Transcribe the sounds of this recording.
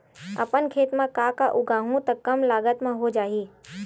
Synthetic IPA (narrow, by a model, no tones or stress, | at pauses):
ə̰pənkʰeːt̪mãkaːkaʔʊɡʱãːɦũt̪ɐkːɐmlaːɡət̪mãɦod͡ʒaːɦiː